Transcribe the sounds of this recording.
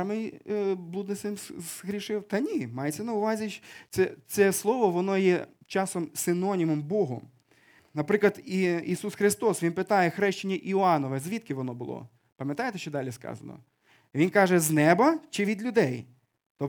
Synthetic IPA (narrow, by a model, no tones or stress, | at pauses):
mɪjblˠud̪nɪsʲɪmzɦɾʲiʃɪwt̪ɐnʲimɑjet͡sʲːɐnɐʊʋɑzʲiʃsɛt̪sɛslˠɔʋɔʋɔnɔjɛ | t͡ʃɑsɔmsɪnɔnʲimɔmbɔɦʊ̰ | nɐpɾɪklˠɐd̪iisusxɾɪst̪ɔsʋʲinpɪt̪ɑjɛxɾɛʃt͡ʃɪnʲːɐʔiʊɑnɔʋɛzʲʋʲit̪̚kɪʋɔnɔbʊlˠɔ̰ | pɐmjɐt̪ɑjet̪ɛʃt͡ʃɔd̪ɑlʲiskɑ̰zɐ̰nɔ̰ | ʋʲinkɑʒɛznɛbɐt͡ʃɪʋʲid̪lʲʊd̪ɛj | t̪ɔ